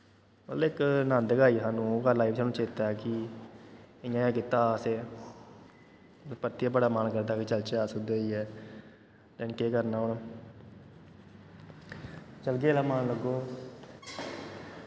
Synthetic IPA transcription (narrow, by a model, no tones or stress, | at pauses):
mət̪ləɪknãːnd̪əkaːiːsaːnũːoːkaːlaːiʋsaːnũːt͡ʃeːt̪aːɛːkɪ | ɪjãːjãːkɪt̪ːaːseː | t̪əpəɾt̪iaːbəɽaːmaːnkəɾd̪aːkɪt͡ʃəlt͡ʃeaːsʊd̪eiːɛː | lənkeːkəɾnaːɦʊn | t͡ʃəlkeːlaːmaːnləɡoː